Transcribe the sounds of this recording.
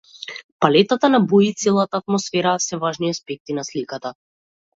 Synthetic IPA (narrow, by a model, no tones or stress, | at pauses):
palɛt̪at̪anabuit̪sɛlˠat̪aːt̪̚mɔsfɛɾasɛvaʒniaspɛk̚t̪inaslikat̪a